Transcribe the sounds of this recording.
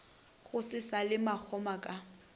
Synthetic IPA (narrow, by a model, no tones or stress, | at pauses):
ɣʊsɪsalɪmak͡xʰɔmakʼa